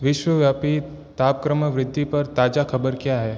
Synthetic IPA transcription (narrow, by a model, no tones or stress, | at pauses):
ʋɪʃwəʋjaːpi | t̪aːp̚kɾəməʋɾɪd̪ʱːipɐɾt̪aːd͡ʒakʰɐbəɾkjaɦɛː